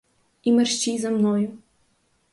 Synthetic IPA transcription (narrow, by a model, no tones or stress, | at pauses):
imɐrɕt͡ɕizamnɔju